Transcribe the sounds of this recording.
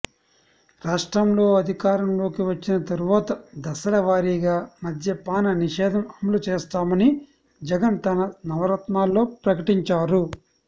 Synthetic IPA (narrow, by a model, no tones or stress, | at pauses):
ɾaːʂʈɾɐmlo̞ːɐd̪ʱikaːɾɐmlo̞ːkiʋɐt͡ʃːinɐt̪ɐɾuʋaːt̪ɐd̪ɐsɐlɐʋaːɾiɡaːmɐd̪ʱjɐpaːnɐniʂɛːd̪ʱɐmɐmulut͡ʃeːst̪aːmɐni | d͡ʒɛɡɐnt̪ɐnɐnɐʋɐɾɐt̪naːlːo̞ːpɾɐkɐʈiɲt͡ʃaːɾu